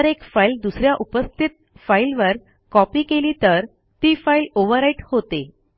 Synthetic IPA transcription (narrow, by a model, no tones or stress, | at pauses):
ɾekfaild̪usɾjaʔupəst̪ʰit̪̚failʋəɾ | kɔpiːkeliːt̪əɾ | t̪iːfailoʋəɾaiʈhot̪e